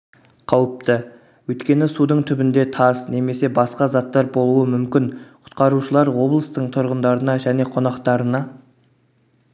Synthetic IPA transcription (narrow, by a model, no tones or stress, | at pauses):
qʰɑwəp̚t̪ə | wɵjt̪kʲe̞nɪsud̪əɴt̪ʰʏbɪnd̪e̞t̪ʰɑzne̞me̞se̞bɑsqɑzɑt̪ːɑɾbo̞lˠuəmʏmkʲɪnqʰʊ̥t̪qɑɾuʃəlˠɑɾwo̞blˠəst̪əɴt̪ʰʊɾʁənd̪ɑɾənɑʒæne̞qʰo̞nɑqt̪ɑɾənɑ